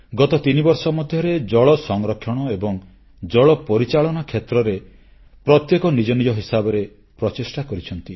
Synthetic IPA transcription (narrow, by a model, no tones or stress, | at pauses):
ɡɔt̪ɔt̪inibɔɾsɔmɔd̪ʱjɔɾed͡ʒɔɭɔsɔŋɾɔkʰːjɔɽ̃ɔebɔŋ | d͡ʒɔɭɔpɔɾit͡ʃaɭɔnakʰet̪ɾɔɾe | pɾɔt̪jekɔnid͡ʒɔnid͡ʒɔɦisabɔɾe | pɾɔt͡ʃisʈakɔɾit͡ʃʰɔnt̪i